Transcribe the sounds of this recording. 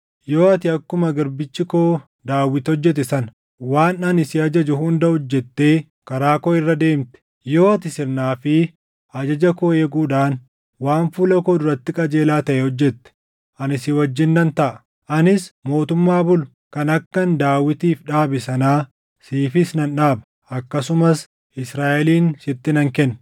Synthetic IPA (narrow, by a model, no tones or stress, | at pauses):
jo̞ːɐt̪ɪɐkːʊmɐɡɐɾbɪt͡ʃːɪkoː | d̪aːwːɪt̪ɔd͡ʒːɛt̪̬ɛsɐn | waːnɐnɪsɪɐd͡ʒɐd͡ʒʊɦʊnd̪ɐhɔd͡ʒːɛt̪ːe̞ː | kɐɾaːkɔːɪrːɐd̪e̞ːmt̪ɛ̥ | jo̞ːɐt̪ɪsɪɾnaːfɪ | ɐd͡ʒɐd͡ʒɐkoːeːɡuːᶑaːn | waːnfuːlɐkoːd̪ʊɾɐt̪ːɪkʼɐd͡ʒe̞ːlaːt̪ɐʔɛhɔd͡ʒːɛt̪ːɛ̥ | ʔɐnɪsɪwɐd͡ʒːɪnːɐnt̪ɐʔɐ | ʔɐnɪsmo̞ːt̪ʊmːaːbʊlʊ̥ | kɐnɐkːɐnd̪aːwɪt̪iːfᶑaːbɪsɐnaː | siːfɪsnɐnᶑaːbɐ̥ | ʔɐkːɐsʊmɐs | ʔɪsɾaːʔɛliːnsɪt̪ːɪnɐŋkɛnː